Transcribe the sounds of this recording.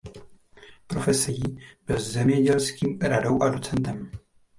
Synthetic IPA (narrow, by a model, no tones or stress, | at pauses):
pɾo̞fɛsɛjiːb̥ɪlzzɛmɲɛɟɛlskiːmɾado̞wʔadot͡sɛnt̪ɛm